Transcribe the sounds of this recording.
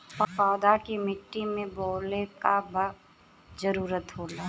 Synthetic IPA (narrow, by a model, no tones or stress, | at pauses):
pɐkaːd̪akimɪʈːimẽboːlekabə | zɐɾuːɾət̪ɦoːlaː